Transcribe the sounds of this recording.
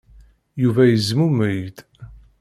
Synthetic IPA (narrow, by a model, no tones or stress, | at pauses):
juvæjəzmuməjd̪